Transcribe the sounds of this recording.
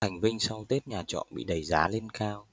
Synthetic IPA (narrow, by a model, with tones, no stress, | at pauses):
a˨˩jŋ̟vï˧ŋ̟sa˧wt̪e˦˥t̚ɲaː˨˩t͡ɕɔ̰˧˨nɓḭ˧˨ɗə˨˩jzaː˨˦le˧nkaː˧w